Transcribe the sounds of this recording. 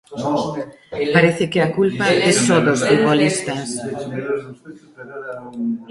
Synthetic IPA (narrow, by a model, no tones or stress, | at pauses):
paɾɛθɪkɪɐkulpɐɛsoðosfut̪̚βolist̪ɐs